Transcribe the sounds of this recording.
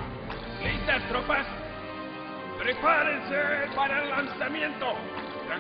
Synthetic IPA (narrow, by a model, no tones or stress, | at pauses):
list̪ast̪ɾopas | pɾepaɾẽnsepaɾaelːansamjẽnt̪o | a